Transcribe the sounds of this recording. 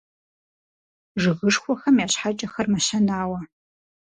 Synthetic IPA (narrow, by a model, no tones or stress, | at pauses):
ʐɨɣɨʂxʷɔxɐmjaːɕħat͡ʃʼɐxɐrmɐɕɐnaːwɐ